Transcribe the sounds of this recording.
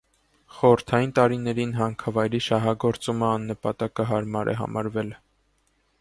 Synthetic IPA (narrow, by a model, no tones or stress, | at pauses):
χɔəɾt̪ʰɑjint̪ɑɾinɛɾinɦɑŋkʰɑvɑjɾiʃɑɦɑɡɔɾt͡suməɑnːəpɑt̪ɑkəɦɑɾmɑɾʔɛ̰ɦɑ̰mʔɑ̰ɾvɛl